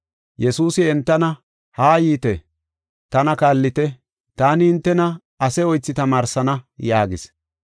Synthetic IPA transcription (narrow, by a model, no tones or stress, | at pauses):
jɛsuːsɪɛnt̪ːɐnɐ | haːjiːt̪ɛ | t̪ɐnɐkaːlːɪt̪ɛ | t̪aːnɪhɪnt̪ːɛnɐ | ɐsɛɔjt͡sːɪt̪ɐmaːɾsɐnɐjaːɡɪs